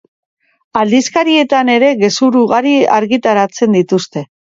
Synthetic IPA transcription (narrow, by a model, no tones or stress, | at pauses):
ald̪iskaɾie̞t̪ane̞ɾe̞ɣe̞suɾuɣaɾia̰ɾɣit̪aɾat͡se̞nd̪it̪ust̪e̞